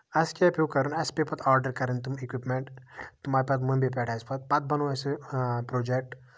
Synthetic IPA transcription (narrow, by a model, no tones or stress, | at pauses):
ɐskɐpʰuːkɐɾunɐspepɐt̪ʰaːɾɖəɾkɐɾint̪umikwipmeɳʈt̪umaːɾpɐt̪munbepɛːʈʰɐspɐt̪̚pɐt̪̚bɐnoɐsɨpɾoːd͡ʒek̚ʈ